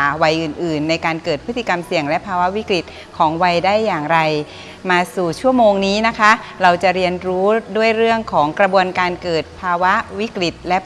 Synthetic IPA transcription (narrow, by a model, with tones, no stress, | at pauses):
wa˧jʔɯː˨˩nʔɯː˨˩nːa˧jkaː˧nkɤː˨˩t̪̚pʰɯ˦˥t̪ʰːi˧˩ka˧msi˨˩əŋlɛ˦˥pʰaː˧wa˦˥wi˦˥kɾi˨˩t̪̚ | kʰɔː˩˦ŋwa˧jdaː˥˩jːaː˨˩ŋɾa˧j | maː˧suː˨˩t͡ɕʰu˥˩əmoː˧ŋniː˦˥na˦˥kʰa˦˥ɾa˧wt͡ɕa˨˩ɾi˧ənɾuː˦˥du˥˩əjɾɯ˥˩əŋkʰɔː˩˦ŋkɾa˧bu˧ənkaː˧nkɤː˨˩t̪̚pʰaː˧wa˦˥wi˦˥kɾi˨˩t̪̚lɛ˦˥